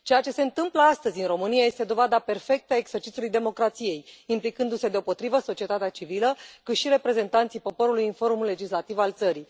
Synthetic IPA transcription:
t͡ʃe̞jat͡ʃe̞se̞ɨnt̪ɨmpləast̪əzʲɨnro̞mɨniaje̞st̪e̞d̪o̞vad̪ape̞rfe̞k̚t̪əaeɡz̥e̞rt͡ʃit̪ulujd̪e̞mo̞kɾat̪sije̞jimplikɨnd̪use̞d̪eo̞po̞t̪ɾivəso̞t͡ʃie̞t̪at̪eat͡ʃiviləkut̪ʃiɾe̞pɾe̞ze̞nt̪ant̪sijpo̞po̞ɾulujinfo̞ɾumlːe̞d͡ʒislat̪ivalt̪səɾi

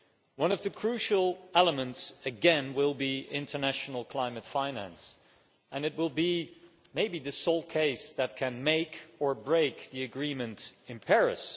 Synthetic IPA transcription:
wʌ̃nʌvðɨkʰɹ̥ʉʃl̩ˠɛlˠəmɨ̃ntsɨɡɛ̃nwɪlˠbiɪ̃ntʰə˞næʃn̩l̩ˠkʰl̥ãɪ̃mɨtfãɪ̃næ̰̃ns | ʔɨ̃nɨt̚wɪlˠbi | meɪbiðɨsoʊlˠt̚kʰeɪsðɨt̚kʰɨ̃nmeɪkə˞bɹeɪkðiɨɡɹĩmɨ̃ntɨ̃npʰɛɹɨ̰s

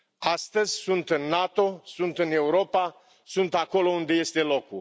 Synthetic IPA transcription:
ast̪əzʲsunt̪ɨnːat̪o̞sunt̪ɨne̞uɾo̞pa | sunt̪ako̞lo̞und̪e̞je̞st̪e̞lo̞ku

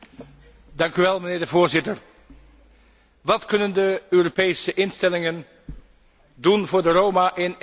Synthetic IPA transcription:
dɑŋkyʋɛlˠməneːɹdəvoːɹzɪtər | ʋɑtkɵnəndəøːropejsəʔɪnstɛlɪŋən | dunvʊːɹdərowmaʔɪn

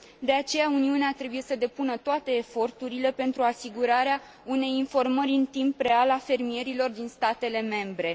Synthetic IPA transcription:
d̪e̞at͡ʃe̞jauniuneat̪ɾe̞buje̞səd̪e̞punət̪oat̪e̞ːfo̞rt̪uɾile̞pe̞nt̪ɾuasiɡuɾaɾea | une̞jinfo̞rməɾʲɨnt̪impre̞alafe̞rmie̞ɾilo̞rd̪inst̪at̪e̞le̞me̞mbɾe̞

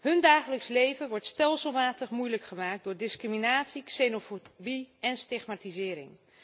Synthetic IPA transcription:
ɦɵndaːχələkslejvəʋɔɹtstɛlˠsəlˠmaːtəχmujləkχəmaːk̚dʊːɹdɪskriminaːtsiksenofobiɛnstɪχmaːtizɪːɾɪ̰ŋ

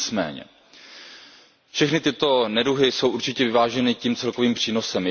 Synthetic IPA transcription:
t͡smɛ̰ːɲɛ̰ | fʃɛxnɪt̪ɪt̪o̞nɛduɦɪso̞wʔuɾt͡ʃɪcɛvɪvaːʒɛnɪciːmt͡sɛlko̞viːmpr̝̥iːno̞sɛm

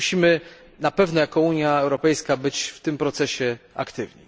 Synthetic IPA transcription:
ɕimɘ | napɛvnɔjakɔuɲjaɛwɾɔpɛjskabɘt͡ɕft̪ɘmpɾɔt̪sɛɕɛa̰kt̪ɘvɲḭ

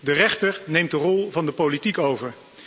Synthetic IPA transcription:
dərɛχtəɹnejmt̚dərɔlˠvɑndəpolitikowvəɹ

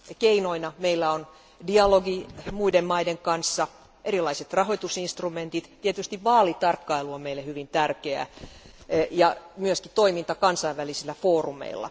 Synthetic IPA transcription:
keinoinɑmeilːæon | diɑloɡimuidemmɑideŋkɑnsːɑ | ʔeɾilɑiset̪rɑɦoit̪usinst̪rument̪it̪t̪iet̪yst̪iʋʋɑːlit̪ɑrkːɑiluomeilːehyʋint̪ærkeæ̰ | jɑmyøskit̪oimint̪ɑkɑnsɑiʋʋælisilːæfoːrumḛilːɑ̰

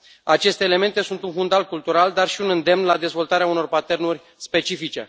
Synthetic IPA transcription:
at͡ʃe̞st̪e̞ːle̞me̞nt̪e̞sunt̪unfund̪alkult̪uɾald̪arʃiunɨnd̪e̞mnlad̪e̞zvo̞lt̪aɾeauno̞rpat̪e̞rnurʲ | spe̞t͡ʃifit͡ʃe̞̰

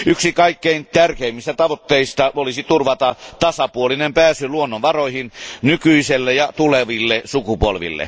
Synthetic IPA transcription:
yksikɑikːeint̪ærkeimːist̪æt̪ɑʋot̪ːeist̪ɑolisit̪urʋɑt̪ɑt̪ɑsɑpuolinempæːsyluonːoʋʋɑroihinnykyiselːejjɑt̪uleʋilːesukupolʋḭlːḛ

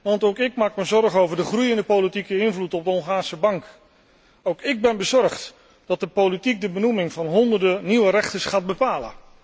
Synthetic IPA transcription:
ʋɑntowkɪkmaːkməzɔɹχowvəɹdəχrujɪndəpowlitikəɪnvlutɔb̚dəɦɔŋχaːɹsəbɑŋk | owkɪɡ̚bɛnbəzɔɹχt | d̥ɑt̚dəpolitik̚dəbənumɪŋvɑnɦɔndəɹdəniwəɾɛχtəɹsχaːt̚bəpaːlə̰

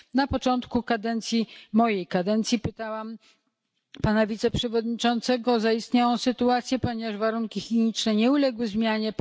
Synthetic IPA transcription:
napɔt͡ʂɔnt̪kukad̪ɛnt̪sʲjimɔjejkad̪ɛnt̪sʲjipɘt̪awam | panavʲit̪sɛpʂɛvɔd̪ɲit͡ʂɔnt̪sɛɡɔzaist̪ɲawɔ̃w̃sɘt̪uat̪sʲjɛpɔɲɛvaʐvaɾuŋkʲixʲiɲit͡ʂnɛɲɛulɛɡwɘzmʲjaɲɛ

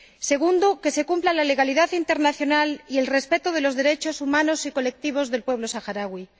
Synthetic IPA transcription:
se̞ɣ̞und̪oke̞se̞kumplalale̞ɣaliðaθint̪eɾnaθjo̞nalie̞lre̞spe̞t̪oð̞e̞lo̞zðe̞ɾe̞t͡ʃo̞sumãnosiko̞le̞k̚t̪iβ̞o̞zðe̞lpwe̞β̞lo̞saxaɾaɣwi

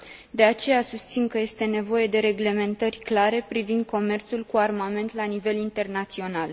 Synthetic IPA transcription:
d̪e̞at͡ʃe̞jasust̪sinkəje̞st̪e̞ne̞vo̞je̞d̪e̞ɾe̞ɡle̞me̞nt̪ərʲklaɾe̞pɾivind̪̚kʰo̞me̞rt̪sulkuarmame̞nt̪lanive̞lint̪e̞rnat̪sio̞nal

